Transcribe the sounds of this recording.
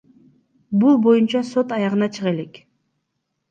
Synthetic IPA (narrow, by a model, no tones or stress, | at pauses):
bulˠbo̞junt͡ʃɑso̞t̪ɑjɑʁɯnɑt͡ʃʰɯʁe̞le̞k